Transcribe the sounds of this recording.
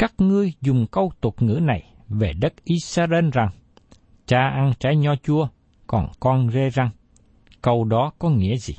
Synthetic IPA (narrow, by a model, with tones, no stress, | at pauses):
kaː˦˥k̚ŋɨ˧əjzʊ˨˩ŋ͡mkə˧wt̪u˨˩ət̚ŋɨ̰˧˥na˨˩j | ve˨˩ɗə˦˥k̚ʔi˨˦saː˧ʔe˧nza˨˩ŋ | t͡ɕaː˧ʔa˧nt͡ɕaː˨˦jɲɔ˧t͡ɕu˧ə | kɔ˨˩nkɔ˧nze˧za˧ŋ | kə˧wɗɔ˨˦kɔ˨˦ŋḭ˧˥əzi˨˩